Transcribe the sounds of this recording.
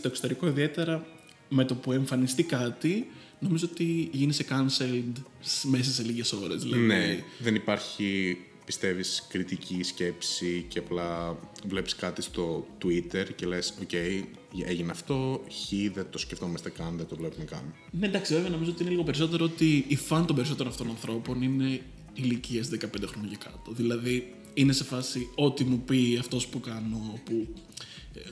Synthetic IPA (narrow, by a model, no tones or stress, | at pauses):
st̪oe̞ksot̪e̞ɾiko̞iðie̞t̪e̞ɾɐ | me̞t̪o̞pue̞ɱfɐnist̪ikɐt̪i | no̞mizoot̪iʝinisekɐnselnd̪ | sme̞s̬ɐse̞liʝe̞so̞ɾe̞zðilɐðneiðenipɐɾçi | pist̪e̞viskɾit̪icʰisce̞psiceɐplɐvle̞piskɐt̪ist̪o̞t̪uit̪e̞ɾcele̞so̞ce̞j | eʝineɐft̪o̞çiðet̪o̞sceft̪o̞mɐst̪ekɐnðet̪ovlepumekɐ̰m | nend̪ɐksiveveɐno̞mizoot̪ine̞liɣo̞pe̞ɾiso̞t̪e̞ɾoot̪iːfɐnit̪o̞mbe̞ɾisot̪eonɐft̪onɐnθɾo̞po̞nine̞ | iliciɐsðekɐpend̪eɾonocɐkɐt̪oðilɐði | ine̞se̞fɐsio̞t̪imupiɐft̪o̞spukɐno̞pu